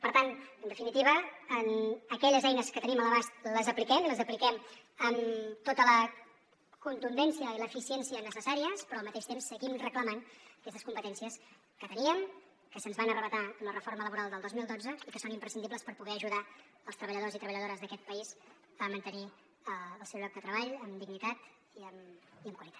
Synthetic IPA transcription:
pəɾt̪anənd̪əfinit̪iβəənəkɛʎəzɛjnəskət̪ənimələβast̪ləzəplikɛmləzəplikɛm | əmt̪ot̪ələ | kunt̪und̪ɛnsiəiləːfisiɛnsiənəsəsaɾiəspɾɔlˠmət̪eʃt̪emsːəɣimrəkləmanəkɛst̪əskumpət̪ɛnsiəs | kət̪əniəm | kəsənzβanərəβət̪aəmlərəfoɾmələβuɾalˠd̪əlˠd̪ozmilˠd̪od͡zəikəsonimpɾəsind̪ibpləspəɾpuɣɛəʒuða | əlˠst̪ɾəβ̞əʎəðozit̪ɾəβəʎəðoɾəzðəkɛt̪̚pəis | amənt̪əni | əəːlˠsɛwβɾɔk̚d̪ət̪ɾəβaʎəmd̪iɡnit̪at̪ | iəmiəmkwəlit̪at̪̚

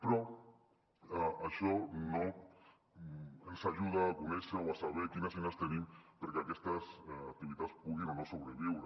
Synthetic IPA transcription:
pɾɔ | aʃɔno | ensaʒuð̞aːkuneʃaoasaβ̞ekinasenast̪enĩmpeɾkeakɛst̪asak̚t̪iβit̪aspuɣinonosoβɾeβiwɾe

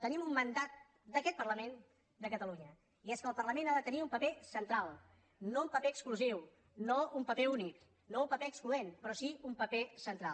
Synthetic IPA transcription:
t̪ənimummənd̪at̪̚ | d̪əkɛt̪̚pərləmen | d̪əkət̪əluɲə | iɛskəlˠpərləmenaðət̪əniumpəpesənt̪ɾalˠ | noumpəpeəkskluziw | noumpəpɛunik | noumpəpeəkskluenpɾɔsiumpəpesənt̪ɾalˠ

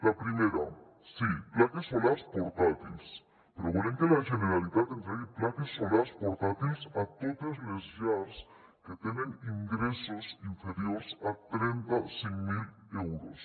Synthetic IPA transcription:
lapɾimeɾa | siplakesːolaɾspoɾt̪at̪ils | peɾoβoleŋkelaʝeneɾaliðat̪ent̪ɾeɣeplakesːolaɾspoɾt̪at̪ilsat̪ot̪ezlezʝaɾs | ket̪eneniŋɡɾesosiɱfeɾjo̞ɾsat̪ɾent̪aseŋmil | ewɾos

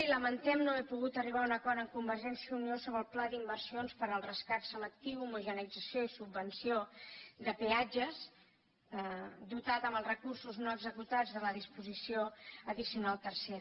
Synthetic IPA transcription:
iləmənt̪ɛmnoɛpuɣut̪əriβ̞aunəkɔɾəŋkumbəɾʒɛnsijəuniosoβɾəlˠplad̪imbəɾsionspəɾəlˠrəskat̪səmək̚t̪iwumuʒənəid͡zəsioisubːənsiod̪əpead͡ʒəz | d̪ut̪at̪əmbəlˠzrəkursuznoəɡzəkut̪ad͡zðələðispuzisioəðisijunalˠt̪əɾseɾ

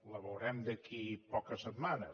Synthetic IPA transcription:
ləβəwɾɛmd̪əkʰipɔkəsət̪manə

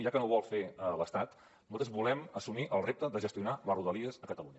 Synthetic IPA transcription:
ʒakənoβɔlˠfeələst̪at̪ | mɔlˠt̪əzβulɛməsumiʔəlˠrep̚t̪əðəʒəst̪iunaləruðəliəzəkət̪əluɲə

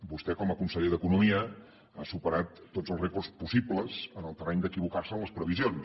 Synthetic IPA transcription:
bust̪ɛkɔməkunsəʎeðəkunumiə | asupəɾat̪ːodzəlˠrekurspusibləzənəlˠt̪ərɛɲd̪əkiβ̞ukarsənləspɾəβizion

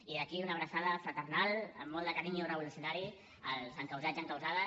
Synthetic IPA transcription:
iðəkiunəβɾəsaðəfɾət̪ərnalə̰mːɔlˠd̪əkaɾiɲurəβulusjunaɾi | əlzəŋkəwzad͡ʒəŋkawzaðə

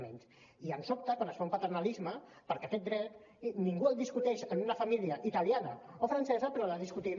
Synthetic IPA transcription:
mḛns | iənsop̚t̪əkwanəsfaumpat̪ərnalizmə | pəɾkɛt̪ɛt̪̚d̪ɾɛt̪ | niŋɡuəlˠd̪iskut̪ɛʃənunafamiliəʔit̪aljanəofɾansɛzəpɾɔləðiskut̪i

